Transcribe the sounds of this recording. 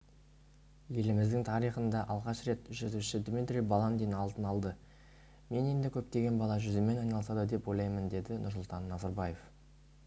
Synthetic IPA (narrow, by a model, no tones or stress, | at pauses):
je̞lɪmɪzd̪ɪŋt̪ʰɑɾijχənd̪ɑʔɑlˠʁɑʃɾe̞t̪ʒʏt̪uʃɪd̪mit̪rʲijbɑlˠɑnd̪ejnɑlˠt̪ənɑlˠd̪ə | me̞ne̞nd̪ɪkʲʰɵp̚t̪e̞ɡʲe̞nbɑlˠɑʒʏzɪme̞nɑjnɑlˠəsɑd̪əd̪e̞pwo̞jlˠɑjmənd̪e̞d̪ɪnʔʊɾsʊlˠt̪ɑnːɑzɑɾbɑjef